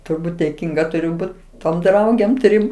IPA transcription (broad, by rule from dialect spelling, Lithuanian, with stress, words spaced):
tʊrˈbuːt dʲeːˈkʲiːŋɡɐ tʊˈrʲʊ ˈbʊt toːm ˈdrɐʊɡʲeːm ˈtʲrʲɪm